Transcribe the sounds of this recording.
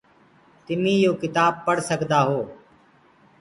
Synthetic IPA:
t̪ɪmĩːjoːkɪt̪aːb̚pːəɽsəkd̪aːɦoː

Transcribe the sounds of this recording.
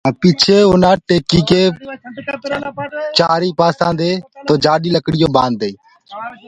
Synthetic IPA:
aːpiːt͡ʃʰeːʊnãːʈeːkiːkeː | t͡ʃaːɾiːpaːsãːd̪eːt̪oːd͡ʒaːɗiːləkɽɪjoːɓãːnd̪eː

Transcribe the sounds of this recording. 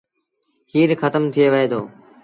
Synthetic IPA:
hiːɾxət̪əmt̪ʰɪjeːʋəɦeːd̪oː

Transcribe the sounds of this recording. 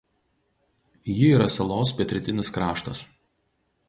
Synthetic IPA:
jɪiːɾɐsʲɛlˠoːspʲɛt̪ʲɾʲɪt̪ʲɪnʲɪskɾɑːʃt̪ɐs

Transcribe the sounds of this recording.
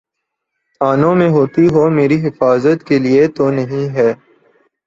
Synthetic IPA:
aːnõmẽɦoːt̪iɦoːmeːɾiɦɪfaːzət̪keliet̪oːnɐɦĩɦɛː

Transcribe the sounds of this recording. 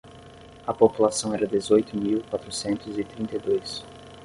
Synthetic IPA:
ɐpopulasɐ̃w̃ɛɾɐd̪ezojt̪ʊmiwkwat̪ɾʊsẽnt̪ʊzɪt̪ɾĩnt̪ejd̪ojs

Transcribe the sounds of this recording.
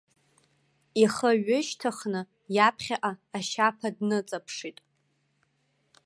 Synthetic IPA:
iχəɥʊʃtʰaχnɨ | japʰχʲaʔaːʃapʰadnɨt͡sʼapʰʂitʼ

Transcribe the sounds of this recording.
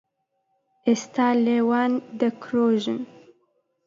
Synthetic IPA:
ɪst̪aːlewɑːnd̪əkʰɾoːʒɨn

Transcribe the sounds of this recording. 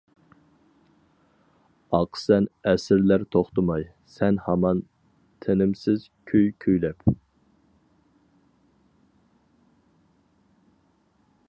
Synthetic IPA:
ɑqʰsɛnɛsɪɾlæɾt̪ʰoχt̪əmɑj | sɛnhɑmɑn | t̪ʰenɪmsɪz̥ | kʲʰyjkʲʰyjlɛp

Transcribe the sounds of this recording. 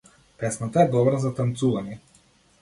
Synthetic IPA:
pɛsnat̪aɛd̪ɔbɾazat̪ant̪suvaɲɛ

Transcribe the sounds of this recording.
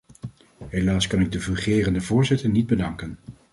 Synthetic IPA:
ɦelaːskɑnɪɡ̚dəvyχɪːrəndəvʊːɹzɪtəɹnid̚bədɑŋkən

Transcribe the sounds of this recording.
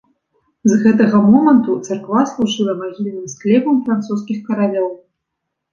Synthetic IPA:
zɣɛt̪ɐɣɐmɔmɐnt̪ut̪sarkvaslˠuʐɨlˠɐmaɣʲilʲnɨmsklʲɛpɐmfɾant̪sus̬kʲixkɐɾalʲɔw

